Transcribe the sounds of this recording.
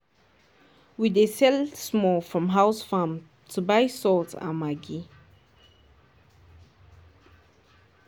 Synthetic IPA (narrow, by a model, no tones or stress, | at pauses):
widesɛlsmɔfɹɔ̃mɦaʊsfam | tʰubaɪsɔlta̰maɡi